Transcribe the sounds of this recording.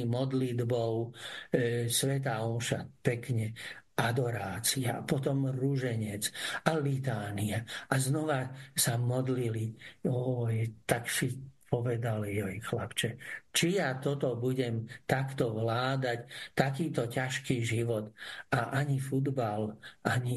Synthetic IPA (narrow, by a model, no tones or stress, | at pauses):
mɔd̪lid̪bɔʊ | sʋɛt̪̬aɔmʃa̰pɛkɲɛad̪ɔɾaːt͡sia̰pɔt̪ɔmɾuʒɛɲɛt͡sʔalit̪aːniaʔaznɔʋasamɔd̪liliɔjt̪aksipɔʋɛd̪aljɔjxlapt͡ʃɛt͡ʃijat̪ɔt̪ɔbuɟɛmt̪akt̪ɔʋlaːd̪act̪akiːt̪ɔcaʃkiːʒiʋɔt̪aʔaɲifud̪balʔaɲi